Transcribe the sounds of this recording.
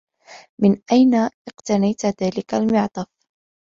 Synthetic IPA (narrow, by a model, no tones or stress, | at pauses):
mɪnʔajnaʔɪqt̪anajt̪ðaːlɪkalmɪʕt̪ˤɑf